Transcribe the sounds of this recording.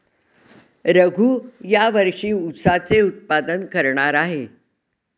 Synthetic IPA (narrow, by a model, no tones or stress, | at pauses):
ɾəɡʱuːjaʋəɾʂiːut̪sat͡seut̪̚pad̪ənkəɾɳaɾaɦe